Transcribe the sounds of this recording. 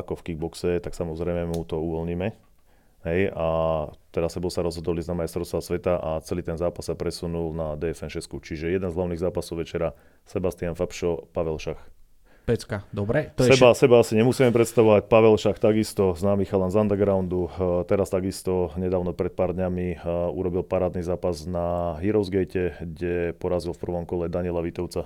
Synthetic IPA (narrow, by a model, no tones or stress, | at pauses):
akɔfkiɡ̚bɔksɛt̪aksamɔzɾɛjmɛmut̪ɔuʋɔlɲiːmɛ | ɦɛjat̪ɛɾasɛbɔʊsaɾɔzɦɔd̪ɔliznamajst̪ɾɔst̪ʋasʋɛt̪aʔat͡sɛliːt̪ɛnzaːpassapɾɛsunulnad̪ɛːɛfɛnʃɛskut͡ʃiʒɛjɛd̪ɛnzɦlaʊniːɣzaːpasɔʊʋɛt͡ʃɛɾa | sɛbast̪ɪanfapʃɔpaʋɛlʃax | pɛt͡skad̪ɔbɾɛt̪sɛbasɛbaasiɲɛmusiːmɛmpɾɛt̪st̪aʋɔʋac̚paʋɛlʃaxt̪aɡist̪ɔznaːmixalanzand̪ɛɾɡɾaʊnd̪ut̪ɛɾast̪aɡist̪ɔɲɛd̪aːʊnɔpɾɛt̪̚paːɾd̪ɲamiṵɾɔbilpaɾaːd̪nizaːpaznaɦiɾɔzɡɛjcɛɡɟɛpɔɾazilfpr̩ʋɔmkɔlɛd̪aɲɪɛlaʋit̪ɔʊt͡sa